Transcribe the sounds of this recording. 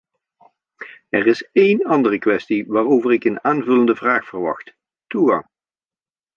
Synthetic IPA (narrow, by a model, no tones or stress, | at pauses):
ɛrɪsejnɑndərəkʋɛstiʋaːroːvərɪkənaːnvɵləndəvraːxfərʋɑ̰xt | tuɣɑ̰ŋ